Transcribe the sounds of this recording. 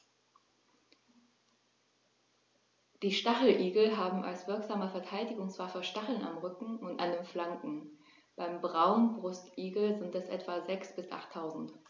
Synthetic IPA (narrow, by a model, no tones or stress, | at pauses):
d̥iːʃtaχl̩ʔiːɡl̩ɦaːbm̩ʔa̰lsv̥ɪɐkz̥aːməfɛɐtʰaɪldɪɡʊŋsv̥aːfyːɐʃtaχl̩na̰mʁʏkŋ̩ʊntʔa̰ndeːnflaŋkŋ̩ | b̥aɪmbʁaʊnbʁʊstʔiːɡl̩zɪntɛsʔɛ̰tv̥azɛksb̥ɪsʔa̰χtʰːaʊzn̩t